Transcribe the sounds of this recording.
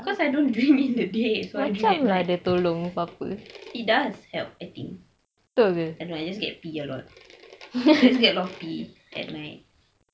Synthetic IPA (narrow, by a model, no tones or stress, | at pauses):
kɔsajdõndɹĩŋĩndədesoat͡ʃiãmladət̪olõŋpapəit̚dashɛ̰lp̚ajt̪ḭ̃ŋk | t̪oɡəajdõnajd͡ʒasɡɛ̰t̚piəlɔ̰t̚ | d͡ʒɛs̬ɡɛtlɔtpi | ʔɛ̰t̚naɪt̚